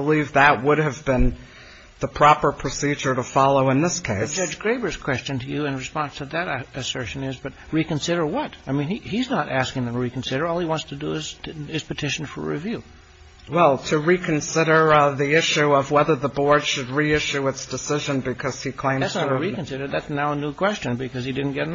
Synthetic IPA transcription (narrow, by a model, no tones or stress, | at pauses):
əlivðət̚wʊɾɨvbɪ̃n | ðəpʰɹ̥ɑpə˞pʰɹ̥ɨsid͡ʒə˞ɾəfɑlˠoʊə̃nðɪskʰeɪsd͡ʒʌd͡ʒɡɹeɪbə˞z̥kʰw̥ɛst͡ʃɨ̃ntʰɨjɨɨ̃nɹɨspɑ̃nstʰɨðɨɾɨsɜ˞ʃɨ̃nɪzbʌt̚ɹikɨ̃nsɪɾə˞wʌtaɪmĩniiznəɾʔæskɪ̃ŋðɨ̃mtʰəɹikn̩sɪɾə˞ɔlˠiwɑ̃ntstʰɨdəɪzɪz̥pɨtʰɪʃn̩fə̰˞ɹḭvjʉ | wɛlˠtʰɨɹikʰɨ̃nsɪɾə˞ðiɪʃʉʌvwɛðə˞ðəbɔɹd̥ʃɨd̚ɹiɪʃʉɨtsd̥ɨsɪʒɨ̃nbɨkʰʌz̥ikʰl̥ẽɪ̃mæ̥sɹikɨ̃n̩sɪɾə˞d̪̚ðætsnaʊənukʰw̥ɛst͡ʃɨ̃nbɨkʌz̥idɪdⁿn̩ɡ̥ɛɾn